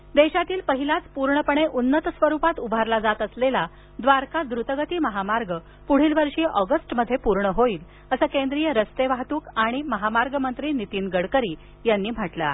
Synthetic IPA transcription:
d̪eɕat̪iːlpəɦilat͡spuɾɳəpəɳ̃eʔunːət̪əsʋəɾuːpat̪ubʱaɾlad͡zat̪əslela | d̪ʋaɾkad̪ɾut̪əɡət̪iːməɦamaɾɡə | puɽ̤iːlʋəɾʂiːʔɔɡəsʈməd̪ʱːjepuɾɳəɦoiːl | əsəːkend̪ɾijəɾəst̪eʋaɦt̪uːkaɽ̃iməɦamaɾɡəmənt̪ɾiːnit̪iːnɡəɽkəɾiː | janːiːm̤aʈla̰

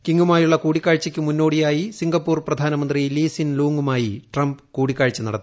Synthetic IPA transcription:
kiŋɡumaːjuɭːɐkuːɽikʲːaːɻt͡ɕːɐkʲːɨmunːo̞ːɽijaːjisiŋɡɐpːuːrprɐd̪ʱaːnɐmɐnd̪riliːsinluːŋɡumaːjiʈrɐmbɨkuːɽikʲːaːɻt͡ɕːɐnɐ̰ɽɐt̪ː

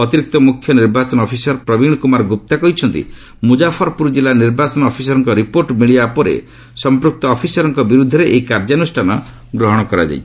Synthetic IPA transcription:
ɔt̪iɾik̚t̪ɔmukʰjɔniɾbat͡ʃɔnɔpʰisɔɾpɾɔbiɽ̃ɔkumaɾɡup̚t̪akɔɦjt͡ʃʰɔnt̪ḭ | mud͡ʒapʰɔɾɔpuɾd͡ʒilaniɾbat͡ʃɔnɔɔpʰisɔɾɔŋkɔɾipoɾʈmiɭiapɔɾḛ | sɔmpɾuk̚t̪ɔːpʰisɔɾɔŋkɔbiɾud̪ʱːɔɾeʔeɦikaɾd͡ʒanusʈʰanɔ | ɡɾɔɦɔɽ̃ɔkɔɾa̰d͡ʒa̰j

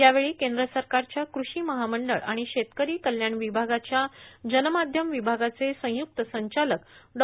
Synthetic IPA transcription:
jaʋeɭiːkẽnd̪ɾəsəɾkaɾt͡ɕjakɾuɕiːməɦaməɳɖəɭaɽ̃iɕet̪kəɾiːkəljaɳʋibʱaɡat͡ɕjad͡ʑənmad̪ʱjəmʋibʱaɡat͡sesə̃juk̚t̪əsəɲt͡ɕaləkɖ

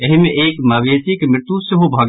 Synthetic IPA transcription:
ɐɦimẽʔeːkmaːʋeːt̪ikemɾɪt̪useɦobʱaːɡ

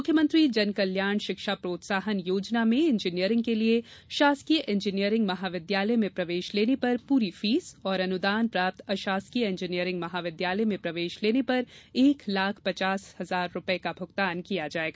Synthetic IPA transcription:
mʊkʰjəmə̃nt̪ɾid͡ʒɐnkɐljaːɳ̃ʃɪkʃapɾoːt̪saːɦənjoːd͡ʒnamẽɪ̃nd͡ʒinijəɾɪ̃ŋɡ̚kelieʃaːsk̪ijəʔɪ̃nd͡ʒɪnijəɾɪ̃ŋɡmɐɦaːʋɪd̪jaːləemẽpɾɐʋeːʃleːnepɐɾpuːɾifiːzɔːɾɐnʊd̪aːnpɾaːp̚t̪ɐʃaːskijəɪ̃ɲd͡ʒɪnijəɾɪ̃ŋɡmɐɦaːʋɪd̪jaːləjmẽpɾɐʋeːʃleːnepɐɾeːklaːkʰpɐt͡ʃaːshɐzaːɾːʊpəekabʱʊɡt̪aːnkijad͡ʒaːeːɡaː

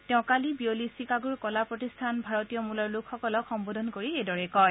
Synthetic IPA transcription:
tɛʊ̃kalibiolisikaɡuɹkɔlapɹɔtistʰanbʱaɹɔtijɔmulɔɹlukʰxɔkɔlɔkxɔmbodʱɔnkoɹiedɔɹɛkɔj

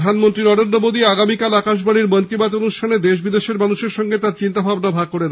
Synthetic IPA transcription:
d̪ʱanmont̪ɾinɔɾend̪ɾomod̪iaɡamikalakaʃ̬baɽiɾmɔnk̪ibat̪onuʃʈʰaned̪eʃ̬bid̪eʃeɾmanuʃeɾʃɔŋɡet̪aɾt͡ɕint̪abʱabnabʱaɡ̚koɾed̪

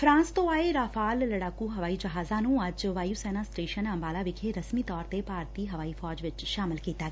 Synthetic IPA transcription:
fʰɾãːnst̪õːaːeːɾaːfʰaːlːəɽaːkuːɦəʋaːiːd͡ʒəɦaːzãːnũːəd͡ʒʋaːiusɛːnaːsʈeːʃənəmbaːlaːʋɪkʰeːɾəsmiːt̪ɔːɾt̪eːpaːɾt̪iːɦəʋaːiːfʰɔːd͡ʒʋɪt͡ʃʃaːmɪlkiːt̪aːɡɛː

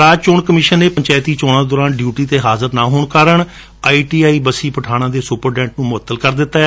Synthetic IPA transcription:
ɾaːd͡ʒt͡ʃʊɳkəmɪːʃənːeːpəɲt͡ʃɛːt̪iːt͡ʃoːɽ̃ãːd̪ɔːɾaːnɖjuːʈiːt̪eːɦaːzəɾnãːɦoːɳkaːɾəɳ | aːiːʈiːaːiːbəsiːpəʈʰaːɽ̃ãːd̪eːsʊpəɾɖɛ̃ːɳʈnũːmʊət̪ːəlkəɾd̪ɪt̪ːaːɛ

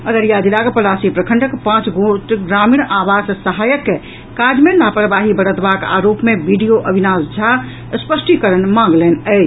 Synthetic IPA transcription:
əd̪əɾijad͡ʒ̪ilaɡpəlasipɾəkʰəɳɖəkpãt͡ʃɡoʈɡɾamiɽ̃abassəɦajəkːe | kad͡ʒmenapɾəbaɦibəɽ̤ət̪baka̰ɾopmebiɖijoʔəbʱinasd͡ʒʱa | spəsʈikəɾənmãŋɡlenə

